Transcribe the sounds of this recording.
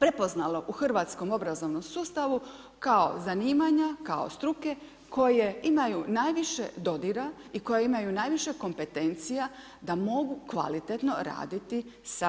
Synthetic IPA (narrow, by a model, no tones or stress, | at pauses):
pɾe̞po̞znalo̞ʔuxrʋat̪sko̞mo̞bɾazo̞ʋno̞msuːst̪aʋu | kao̞̰zaniːmaɲakao̞̰st̪ɾuke̞ | ko̞je̞imajunaːjʋiʃḛd̪o̞d̪iɾaiko̞jeimajunaːjʋiʃe̞ko̞mpe̞t̪e̞nt̪sija | d̪amo̞ɡukʋa̰lit̪et̪no̞ɾa̰ːd̪it̪i | sa